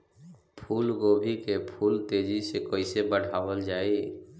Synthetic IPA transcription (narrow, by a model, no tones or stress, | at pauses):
pʰuːlɡobʱikepʰult̪ed͡ʒisekoɪsebəɽ̤awəld͡ʒaːi